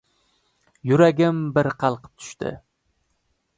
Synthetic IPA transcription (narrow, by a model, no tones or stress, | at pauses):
jʊɾaɡʲɪmbɪɾqʰɑlˠqʰɨ̥p̚t̪ʰʊ̥ʃt̪ɪ̰